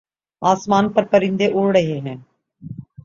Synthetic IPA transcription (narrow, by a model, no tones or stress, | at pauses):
aːsmaːnpɐɾpəɾɪ̃nd̪eʔoːɾɽəɦeːɦɛ̃ː